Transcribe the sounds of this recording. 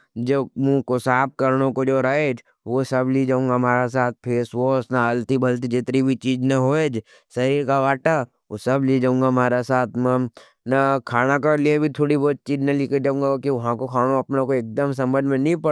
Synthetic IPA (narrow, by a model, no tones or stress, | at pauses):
d͡ʒoːmũkosaːp̚kɐɾnõkod͡ʒoːɾaed͡ʒʰ | ʋosɐblid͡ʒaːũŋɡamaːɾasaːt̪̚pʰeːsʋoːsnaaːlt̪ibɐlt̪̬id͡ʒet̪ɾibʱit͡ʃiːd͡ʒnɐɦoːeːd͡ʒ | sɐɾiːɾkaʋaːʈa | osɐblid͡ʒaːũːŋɡamaːɾasaːt̪ʰmɛ̃ | nakʰaːnakaliebʱit̪ʰoːɽibɔːt̪̚t͡ʃiːd͡ʒnɐliked͡ʒaːũːŋɡakiʋɐɦãkokʰaːnoɐpnõkoeːk̚d̪əmsɐ̃mbə̃nd̪mẽnĩpɐ